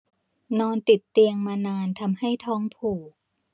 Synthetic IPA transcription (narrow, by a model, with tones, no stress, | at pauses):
nɔː˧nt̪i˨˩t̪ːi˧əŋmaː˧naː˧nt̪ʰa˧mha˥˩jt̪ʰɔː˦˥ŋpʰuː˨˩k̚